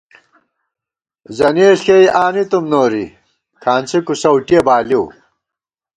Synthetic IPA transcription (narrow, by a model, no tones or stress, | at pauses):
zɐneːʂkejʔaːnit̪umnoːɾḭ | kʰaːnt͡sʰikusɐwʈijɐbaːliw